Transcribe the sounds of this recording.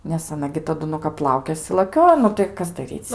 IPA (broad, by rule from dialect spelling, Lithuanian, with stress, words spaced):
nʲɛs ɐˈnɐ ɡʲɪ tɐˈdʊ nʊ kɐp ˈlˠɐʊkʲeːsʲɪ lˠɐˈkʲoːjoː ˈnʊ tɐɪ ˈkɐs dɐˈrʲiːt͡s